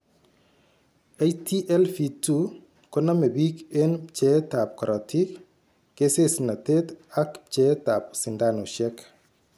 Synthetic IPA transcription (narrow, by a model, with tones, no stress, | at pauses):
e˦jti˦ʔɛ˦lfi˨tu | kɔ˦na˦me˨bi˦ke˦nt͡ʃɛ˦ta˨p̚kɔ˨ɾʔɔ˨tʰi˦kː | e˦se˦sna˨te˦ta˦kt͡ʃɛ˦ta˨p̚sɪ˨ndano˨ʃɛ˦k